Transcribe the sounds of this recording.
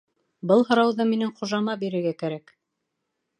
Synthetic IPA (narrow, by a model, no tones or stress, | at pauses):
bɤlˠɦɤ̆ɾɑwðɤminɘŋχŏʒɑmɑbiɾɘ̆ɾɡækæɾæk